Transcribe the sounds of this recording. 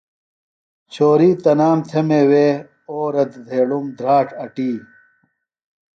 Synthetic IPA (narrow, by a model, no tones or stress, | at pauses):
t͡ɕʰoːɾiːt̪ɐnaːmt̪ʰemeːweː | oːɾɐt̪d̪ʱeːɽumd̪ɾaːʈʰɐʈiː